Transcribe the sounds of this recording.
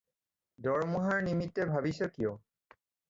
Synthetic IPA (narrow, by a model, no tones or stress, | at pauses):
dɔɹmuɦaɹnimitːɛbʱabisɔkijɔ